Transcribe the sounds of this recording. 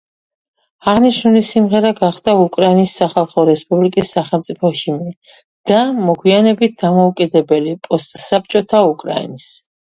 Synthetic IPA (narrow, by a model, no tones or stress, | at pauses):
aʁniʃnulisimʁɛɾaɡaχd̪̥aukʼɾainisːaχalˠχɔɾɛspʼublikʼisːaχɛlˠmt̪sʼipʰɔʃimni | d̪̥amɔɡʰwianɛbit̪̚d̪amɔukʼid̪ɛbɛlipʼɔst̪ʼsap̚t͡ʃʼɔt̪ʰaukʼɾa̰ḭnis